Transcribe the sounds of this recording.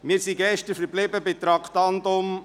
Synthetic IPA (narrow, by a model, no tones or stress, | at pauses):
mɪːɾsiɡɛʃtəɾfəɾblɪbəbɪt̪ɾɑkt̪ɑnd̪ʊm